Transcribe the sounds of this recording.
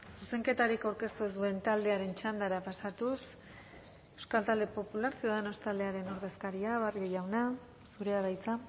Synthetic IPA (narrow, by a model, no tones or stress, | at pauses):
suse̞ŋke̞t̪aɾikawɾke̞st̪uesue̞nt̪ald̪e̞aɾe̞nt͡ʃand̪aɾapasat̪us | e̞wskalt̪ald̪e̞po̞pulaɾsio̞ð̞ano̞st̪ald̪e̞aɾe̞no̞ɾðe̞skaɾiaβario̞ʝawna | suɾe̞aðajt͡sa